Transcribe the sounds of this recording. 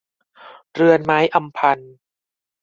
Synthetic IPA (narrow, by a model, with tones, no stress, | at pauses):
ɾɯ˧ənmaː˦˥jʔa˧mpʰa˧n